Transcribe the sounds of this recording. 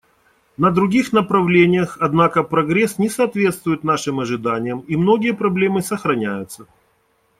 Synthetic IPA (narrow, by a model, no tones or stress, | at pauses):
nəd̪ɾʊɡʲixnəpɾɐvlʲenʲɪjəxɐd̪nakəpɾɐɡɾʲesnʲɪsɐːt̪vʲe̞t̪st̪vʊjɪt̪naʂɨmɐʐɨd̪anʲɪjəmimno̞ɡʲɪjəpɾɐblʲe̞mɨsəxɾɐnʲæjʊt̪sə